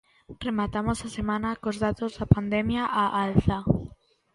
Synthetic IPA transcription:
remat̪amosasemãnakozðat̪ozðapand̪ɛmjaʔaʔalθa

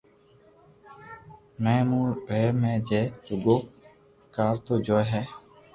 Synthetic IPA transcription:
mɛ̃ːmũːɾeːmɛ̃ːd͡ʒeːɾʊɡoː | kaːɾt̪oːd͡ʒoːɦɛː

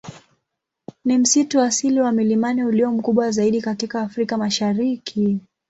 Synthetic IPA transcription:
nim̩situasiliwamilimaniuliwɔm̩kuɓwazaiɗikatikaːfɾikamaʃaɾikʰi

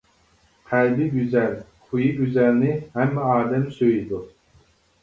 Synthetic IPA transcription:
qʰælbɪɡʲyzɛlqʰujiɡʲyzɛlnɪhɛmːɛɑːd̪ɛmsøjid̪u

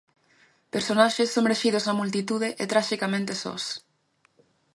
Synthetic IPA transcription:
peɾsonaʃesːomɾeʃiðoznamult̪̬it̪uðeʔet̪ɾaʃikamẽnt̪esɔ̰s

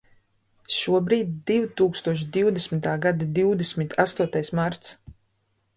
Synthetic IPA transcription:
ʃuɔbɾiːd̪ʲd̪ivt̪uːkst̪uɔʃ̬d̪iwd̪esʲmʲit̪aːɡad̪ad̪iwd̪esʲmʲit̪ʰast̪uɔt̪ajsmaɾt̪s

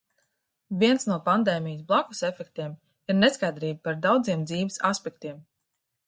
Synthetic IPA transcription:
viɛnsnuɔpand̪eːmʲijsblˠakusefɛkt̪iɛm | iɾneskajd̪ɾiːbpaɾd̪awd̪ziɛmd̪ziːvisaspɛk̚t̪iɛm

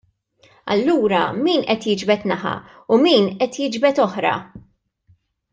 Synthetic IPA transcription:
ɐ̰lːuːɾɐmiːnʔɛt̪jɪd͡ʒbɛt̪nɐħɐ̰ | ʊmiːnʔɛt̪jɪd͡ʒbɛt̪ɔħɾɐ̰

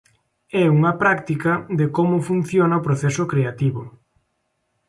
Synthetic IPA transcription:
ɛuŋɐpɾakt̪ikɐðɪkomʊfun̟θjonɐopɾoθɛsʊkɾeat̪iβʊ

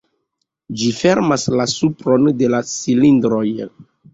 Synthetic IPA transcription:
d͡ʒife̞ɾmaslasupɾo̞nde̞lasilindɾo̞j

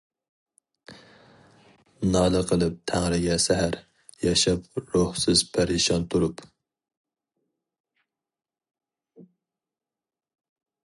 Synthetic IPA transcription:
nɑːlˠɨqʰəlˠɨp̚t̪ʰæŋɾɪɡʲɛsæɦæɾ | jɑʃɑp̚ɾohsɪzpʰæɾiʃɑnt̪ʰuɾup

